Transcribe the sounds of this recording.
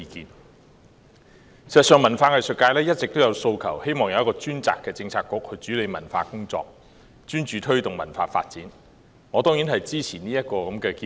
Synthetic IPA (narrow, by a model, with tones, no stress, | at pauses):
i˧kiː˧n | i˨˩zɐ˨˩sœː˨ŋmɐ˨˩nfaː˧ŋɐ˨jsɵ˨˧t̚kːaː˧jlɛː˥jɐ˥t̚t͡sɪ˨k̚t̪o˥wjɐ˨˧wso˧wkʰɐ˨˩whe˥jmɔː˨˩ŋjɐ˧wjɐ˥kɔː˧t͡ʃyː˥nt͡sa̰ː˨kːɛː˧t͡sɪ˧ŋt͡sʰaː˧kʊ˧˥k̚hɵ˨˧ɥt͡ʃyː˨˥le˨˧jmɐ˨˩nfaː˧kʊ˥ŋt͡sɔ̰ː˧k̚ | t͡ʃyː˥nt͡ʃyː˨˧t̪ʰɵ˥ɥt̪ʊ˨ŋmɐ̰˨˩nfaː˧fa̰ː˧t̚t͡siː˨˥n | ŋɔː˨˧t̪ɔː˥ŋjiː˨˥nhɐ˨jt͡siː˥t͡sʰiː˨˩niː˥jɐ˥t̚kɔː˧kɐ˨˦mkɛː˧ki˧